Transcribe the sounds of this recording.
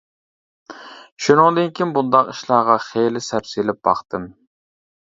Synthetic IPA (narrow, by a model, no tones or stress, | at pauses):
ʃunɨŋd̪ɨnkʲʰimbund̪ɑqiʃlˠɑʁɑχejlɪsæpsilɪp̚bɑ̰χt̪ɨm